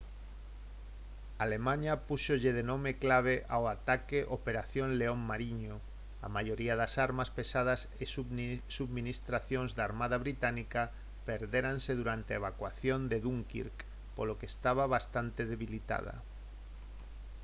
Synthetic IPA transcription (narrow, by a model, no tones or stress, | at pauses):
alemãɲapuʃoʎeðenõmeklaβ̞eʔawat̪akeʔopeɾaθjonleoŋmaɾiɲo | a̰maʝoɾiaðasaɾmaspesað̞asesusuβminist̪ɾaθjonzðaɾmaðaβɾit̪anika | peɾðeɾanseðuɾant̪eeβ̞akwaθjond̪eðuŋkḭɾk | polokest̪aβaβast̪ant̪eðeβilit̪a̰ð̞a̰